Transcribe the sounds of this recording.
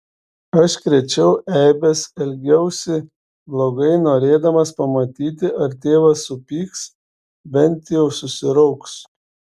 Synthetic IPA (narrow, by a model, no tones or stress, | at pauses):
ɐʃkɾʲɛt͡ʃʲɛʊʔɛɪbʲɛsɛlʲɡʲɛʊsʲɛ | blˠoːɡɐɪnoːɾʲeːd̪ɐmɐspɐmɐt̪ʲiːt̪̬ʲɪʔɐɾt̪ʲeːʋɐsʊpʲiːks | bʲɛnʲˑt̪ʲjɛʊsʊsʲɪɾɔʊks